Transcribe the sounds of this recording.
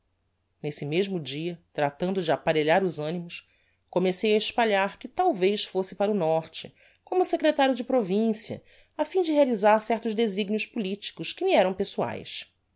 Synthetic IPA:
nesɪmeʒmʊd͡ʒiɐt̪ɾat̪ɐ̃nd̪ʊd͡ʒɪapaɾeʎaɾʊzɐ̃nimʊs | komesejaiʃpaʎaɾkɪt̪awvejʃfosɪpaɾʊnɔɾt͡ʃɪ̰ | kõmʊsekɾet̪aɾjʊd͡ʒɪpɾovĩsiɐ̰ | afĩd͡ʒɪɦealizaɾsɛχt̪ʊʒd̪eziɡnjʊʃspulit͡ʃi̥kʊʃkɪliɛɾɐ̃w̃pesua̰js

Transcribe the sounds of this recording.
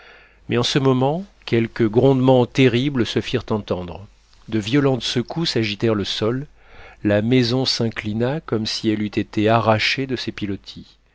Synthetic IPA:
mɛɑ̃səmɔmɑ̃kʲɛlkəɡʁɔ̃d̪mɑ̃t̪eʁibləsəfiʁt̪ɑ̃t̪ɑ̃d̪ʁ | d̪əvjɔlɑ̃t̪səkʰusaʒit̪ɛʁləsɔlː | amɛzɔ̃sɛ̃klinakɔmsiɛlyt̪et̪ʰeaʁaʃed̪əsepilɔt̪ʰi

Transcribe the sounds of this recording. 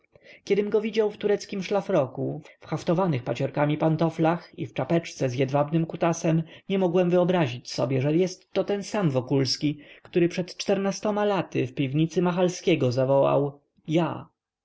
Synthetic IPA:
kʲɛd̪ɘmɡɔvʲid͡ʑawft̪uɾɛt̪skʲimʂlafɾɔkuffxaft̪ɔvanɘxpat͡ɕɔɾkamʲipant̪ɔflaxḭft͡ʂapɛt͡ʂt̪sɛzjɛd̪vabnɘmkut̪asɛmɲɛmɔɡwɛmvɘɔbɾaʑit͡ɕsɔ̰bʲjɛʐɛjɛst̪ːɔt̪ɛnsamvɔkulskʲikt̪uɾɘpʂɛt̪t͡ʂt̪ɛɾnast̪ɔmalat̪ɘ̰fpʲivɲit̪sɘmaxalskʲɛɡɔzavɔwa̰w | ja̰

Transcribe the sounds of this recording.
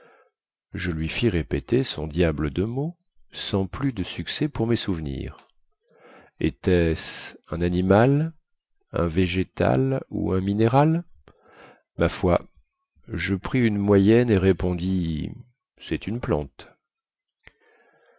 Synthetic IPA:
ʒəlɥifiʁepet̪esɔ̰̃d̪jabləd̪əmo | sɑ̃plyd̪əsyksɛpuʁmesuvnḭːʁ | ḛt̪ɛsɛ̃nanimal | ɛ̰̃veʒet̪a̰lṵɛ̃mineʁal | mafwa | ʒəpχiynmwajɛneʁepɔ̃d̪i | sɛt̪ynplɑ̰̃t̪

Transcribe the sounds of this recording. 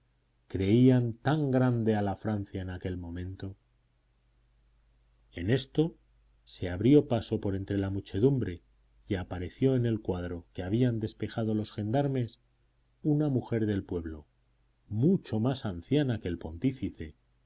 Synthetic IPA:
kɾe̞iant̪aŋɡɾand̪e̞alafɾan̟θjaenake̞lmõ̞mẽnt̪o̞ | ene̞st̪o̞ | se̞aβɾjo̞paso̞po̞ɾe̞nt̪ɾe̞lamut͡ʃe̞ðumbɾe̞ | iapaɾe̞θjo̞ene̞lkwað̞ɾo̞keaβ̞iand̪e̞spe̞xað̞o̞lo̞sxe̞nd̪aɾme̞s | unamuxe̞ɾðe̞lpwe̞βlo̞̰ | mut͡ʃo̞masan̟θjanake̞ːlpo̞nt̪ifiθe̞

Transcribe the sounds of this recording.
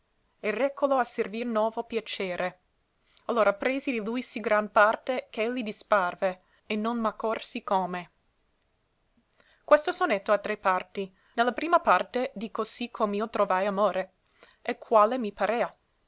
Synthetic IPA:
ɛrɛkːoloaservirnwɔːvopjat͡ʃeːɾe | alːoːɾʔapɾeːzid̪ilujsiɡɾanpart̪ekelːid̪isparveː | nonmakːorsikome | kwest̪osonet̪ːoat̪ɾepːart̪i | nelːapɾiːmapart̪ed̪ikosikʰomiot̪ɾovajamoːɾe | ekʰːwaːlemipaɾea

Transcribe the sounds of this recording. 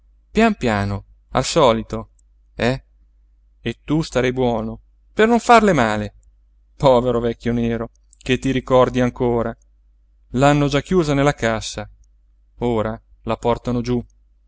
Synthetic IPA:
pjampjaːno | a̰lsɔːlit̪o | ɛ | et̪ːust̪aɾɛjbwɔːno | pernoɱfarlemaːle | pɔːveɾovɛkʲːjoneːɾo | ket̪ːiɾikɔrd̪iaŋkoːɾa | lanːod͡ʒakːjuːzanelːakasːa | oːɾa | lapɔrt̪anod͡ʒu

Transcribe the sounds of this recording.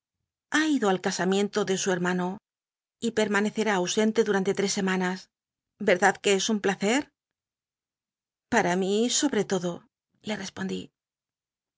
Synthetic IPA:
aiðo̞alkasamje̞nt̪o̞ðe̞sue̞ɾmano̞ | ipe̞ɾmane̞θe̞ɾaːwse̞nt̪e̞ðuɾant̪e̞t̪ɾe̞sːe̞manas | be̞ɾðaðke̞esumplaθe̞ɾ | paɾamiso̞βɾe̞t̪o̞ðo̞ | le̞re̞spo̞nd̪ḭ

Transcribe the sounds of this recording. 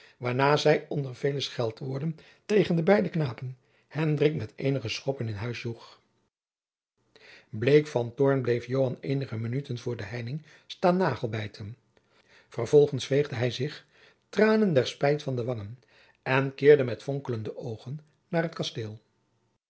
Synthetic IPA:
ʋaːɹnaːzɛjɔndəɹv̥ejləsχɛlˠtʋʊɹdən | tejχəndəbɛjdəknaːpən | hɛndrɪkmɛtejnəχəsχɔpənɪnɦœɥsluχ | blejkfɑntɔɹnblejfjowɦɑnejnəχəmənytənvʊːɹdəɦɛjnɪŋ | staːnːaːχəlˠbɛjtʰən | fərv̥ɔlˠχənsfejχdəɦɛjzɪχ | traːnəndɛɹspɛjtfɑndəʋɑŋən | ɛnkɪːɹdəmɛtfɔŋkələndəʔowχənː | aːrətkɑsteːlˠ

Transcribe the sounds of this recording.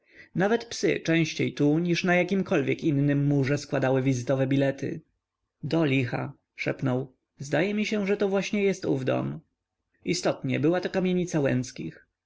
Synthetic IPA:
navɛt̪psɘ̰t͡ʂɛ̃w̃ɕt͡ɕejt̪uɲiʂnajakʲimkɔlvʲjɛkinːɘmːuʐɛskwad̪awɘvʲizɘt̪ɔvɛbʲilɛt̪ɘ̰ | d̪ɔlʲixa̰ | ʂɛ̰pnɔw | zd̪ajɛmʲiɕɛ̃ʐɛt̪ɔvwaɕɲɛjɛst̪ṵvd̪ɔ̰m | ʔist̪ɔt̪ɲɛbɘwat̪ɔkamʲjeɲit̪sawɛ̰nt̪skʲix

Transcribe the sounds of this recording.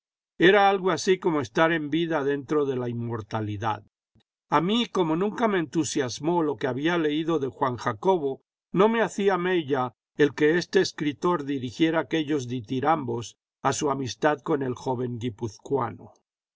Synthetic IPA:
e̞ɾaalɣoasiko̞moest̪aɾe̞mbiðaðe̞nt̪ɾo̞ðe̞laimːo̞ɾt̪aliða̰ð | amiko̞mo̞nũŋkame̞ːnt̪usjazmolo̞keaβiale̞iðo̞ðe̞xwaŋxako̞βo̞ | no̞me̞aθiameʎa | elke̞est̪e̞ːskɾit̪o̞ɾðiɾixje̞ɾaake̞ʎo̞zðit̪iɾambo̞s | asuamist̪aðko̞ne̞lxo̞βe̞ŋɡipuθkwa̰no

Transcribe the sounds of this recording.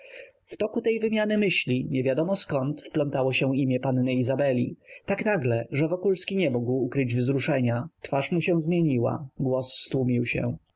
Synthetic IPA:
ft̪ɔkut̪ɛjvɘmʲjanɘmɘɕlʲiɲɛvʲjad̪ɔmɔskɔnt̪fplɔnt̪awɔɕɛ̃imʲjɛpanːɛizabɛlʲḭt̪aknaɡlɛʐɛvɔkulskʲiɲɛmuɡwukɾɘd͡ʑvzɾuʂɛɲat̪faʂmuɕɛ̃zmʲjeɲiwa̰ɡwɔsːt̪wumʲiwɕɛ̰̃

